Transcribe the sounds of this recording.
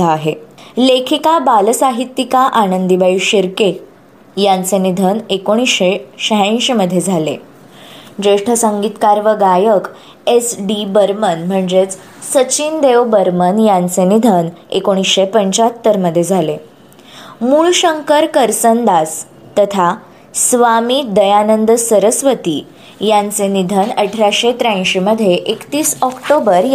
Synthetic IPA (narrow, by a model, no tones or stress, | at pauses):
aːɦelekʰikabalsaɦit̪ːikaʔanənd̪ibaiɕiɾke | jãnt͡senid̪ʱənekoɽ̃isɕeɕəɦãɕməd̪ʱːjed͡zʱalḛ | d͡ʑɾeʂʈʰəsə̃ŋɡiːt̪kaɾʋəɡajək | esɖibəɾmənm̤əɳd͡zet͡s | sət͡ɕind̪eʋbəɾmənjãnt͡senid̪ʱənḛkoɽ̃isɕepəɲt͡ɕat̪ːəɾməd̪ʱːjed͡zʱale | muːɭɕəŋkəɾkəɾsənd̪as | t̪ət̪ʰa | sʋamiːd̪əjanənd̪səɾəsʋət̪ḭ | jãnt͡senid̪ʱənəʈʰɾaɕet̪ɾãj̃ɕeməd̪ʱjeʔekt̪iːsɔkʈobəɾj